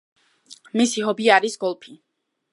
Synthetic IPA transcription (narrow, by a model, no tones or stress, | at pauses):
misiɦɔbiaɾisɡɔlˠpʰi